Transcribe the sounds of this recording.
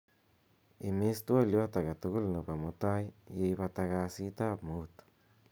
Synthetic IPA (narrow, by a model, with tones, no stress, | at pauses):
i˧mi˦st̪u˦a˦˨li˧βa˦t̪a˨ɡa˨t̪u˧ɡu˦lna˨pa˨mo˧t̪a˦jje˧jba˧t̪a˧ɡa˧si˧˦t̪a˦bmu˦t̪